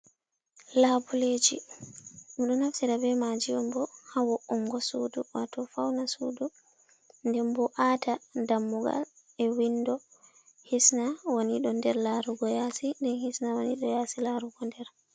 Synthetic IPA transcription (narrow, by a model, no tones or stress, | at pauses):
laːbuled͡ʒḭ | miɗɔnafsiɾabɛmad͡ʒiɔmbɔhawɔʔɔŋɡɔsuduwatɔfawnasṵdu | ndɛmbɔʔatadamːuɡa̰l | ɛwindɔ | hisnawoniɗɔndɛɾlaːɾuɡɔjaːsindɛnhisnawoniɗɔjaːsilaɾuɡɔndɛɾ